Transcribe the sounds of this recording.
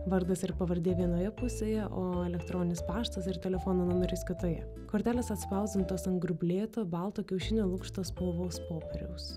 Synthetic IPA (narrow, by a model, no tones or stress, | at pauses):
ʋɐɾd̪ɐsɪɾpɐʋɐɾʲd̪ʲeːʋʲiɛnoːjɛpʊsʲeːjɛʔoːɛlʲɛkt̪ɾoːnʲɪnʲɪspɑːʃt̪ɐsɪɾt̪ʲɛlʲɛfoːnoːnʊmʲɛɾʲʊskʲɪt̪oːjɛ̰ | koːɾʲt̪ʲæːlʲeːsɐt̪spɐʊzʲd̪ʲɪnt̪oːsɐŋɡɾʊbʲlʲeːt̪oːbɑˑlˠt̪oːkʲɛʊʃʲɪnʲoːlˠʊkʃt̪oːspolˠʋoːspoːpʲɛɾʲɛʊs